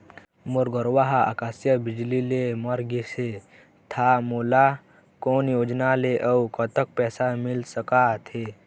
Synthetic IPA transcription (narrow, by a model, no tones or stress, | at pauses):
muɾɡʱəɾʋaɦaa̰kasjəbɪd͡ʒlilemɐɾɡise | t̪ʰamola | koːnjoːd͡ʒnaleʔəwkət̪ək̚pɛːsamɪlsəkat̪ʰe